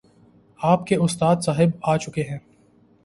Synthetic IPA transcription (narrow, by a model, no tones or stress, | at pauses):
aːpkeʊst̪aːd̪saːɦɪbaːt͡ʃʊkeɦɛ̃ː